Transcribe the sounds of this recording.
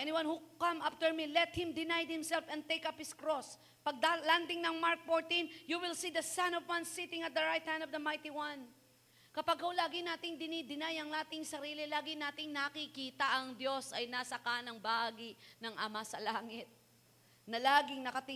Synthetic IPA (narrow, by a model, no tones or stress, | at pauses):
ʔɛnɪwãnhukãmʔaft̪ɛɹmilɛt̪̚hɪmd̪ɪnajd̪̚hɪmsɛlfɛn̚t̪ejkaphɪskɾos | pɐɡ̚d̪aland̪ɪŋnɐŋmaɹk̚foɹt̪ĩnjuwɪlsid̪ɐsãnɔvwɐ̃nsːit̪ɪ̃ŋɐt̪̚d̪ɐɹajt̪̚hɛ̃nd̪ɔvd̪ɐmajt̪iwɐn | kɐpaɡ̚holaːɡɪnaːt̪ɪŋd̪ɪnid̪ɪnajɐŋnaːt̪ɪŋsɐɾiːlɪlaːɡɪnaːt̪ɪŋnɐkikiːt̪ɐʔɐŋd̪jo̞sɐjnasɐkanɐŋbaːɡiʔnɐŋʔɐmasɐlaːŋɪt̪̚ | nɐlaːɡɪŋnɐkɐt̪ɪ